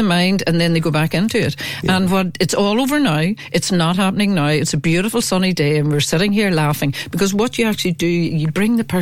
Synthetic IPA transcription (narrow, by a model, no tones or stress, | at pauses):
əmãɪ̃ndə̰̃nðɨ̃nðeɪɡoːbakɪ̃ntʰʉɪtə̃nwʌɾɨtsɔːlˠovə˞naʊʔɨtsnət̚hapənɪ̃ŋnaʊɨtsəbjʉɾəfl̩ˠsʌnideɪə̃nwɪɹsɪɾɪ̃ŋɦiɹlˠafɪ̃ŋb̥ɪkʰʌzwʌt̚d̥əjəak̚t͡ʃʉl̩ˠidɨjəbɹɪ̃ŋðəpʰɜ